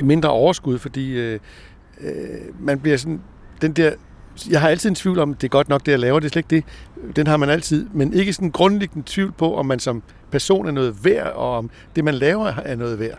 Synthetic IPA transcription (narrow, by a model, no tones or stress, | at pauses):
me̝nd̥ʁɐʔɒʊɐsɡ̥uð̞̰ˠfɒ̽d̥ḭː | mænb̥liɐs̬ɒ̽n | d̥end̥eɐ̰ | jɑ̈ɪɦɑ̈æl̰t͡sʰið̞ˠent͡sʰʋḭʊlɒ̽md̥e̝æɐɡ̥ɒ̽d̥nɒ̽ɡ̥̚d̥e̝jalɛːʊɐd̥e̝ɐsleɡ̥e̝d̥enɦɑ̈mænæl̰t͡sʰið̞̰ˠmenʔe̝ɡ̥əsɒ̽nnɡ̥ʁɔ̽nəleɡ̥nət͡sʰʋiʊlpʰɒ̽ʔɒ̽mːænsɒ̽m | pʰæɐso̝̰ːnæɐnɔ̽ːð̩ˠʋæɐ̰ɒ̽ɒ̽m | d̥e̝mænlɛːʊɐæɐnɔ̽ːð̞̩ˠʋæɐ̰